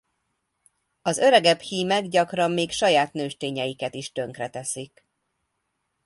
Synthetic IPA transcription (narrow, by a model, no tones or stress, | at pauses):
ɒzø̞ɾɛɡɛbhiːmɛɡɟɒkrɒmːeːkʃɒjaːt̪nøːʃt̪eːɲɛjikɛt̪iʃt̪ø̞ŋkrɛt̪ɛsik